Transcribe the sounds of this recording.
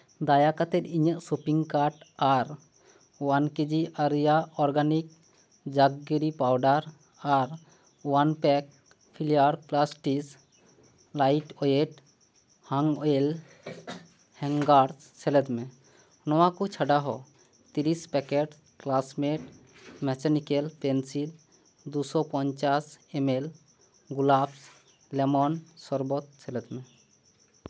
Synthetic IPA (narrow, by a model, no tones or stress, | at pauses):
d̪ajakat̪ɛɾiɲəʔsopiŋɡkaɾʈaɾ | wanked͡ʒiʔaɾijaɔɾɡanik̚ | d͡ʒaɡːiɾipawɖaɾ | aɾ | wanpɛk̚ | pʰilijaɾplasʈis | lajʈɔjeʈ | haŋel | hɛŋɡaɾs | t͡ɕʰelet̪me | nɔwakut͡ɕʰaɖaɦɔ | t̪iɾispɛkeɖ | klasmeʈ | mɛt͡ɕanikelpensil | d̪usɔpɔnt͡ɕasemel | ɡulaps | lemɔnsɔɾbot̪t͡ɕʰelet̪me